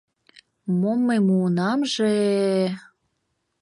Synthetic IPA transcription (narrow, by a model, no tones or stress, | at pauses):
momːəjmuənɑmʒe